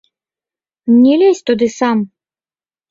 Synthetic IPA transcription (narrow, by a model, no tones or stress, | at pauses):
mnʲɛlʲɛsʲt̪ud̪ɨsam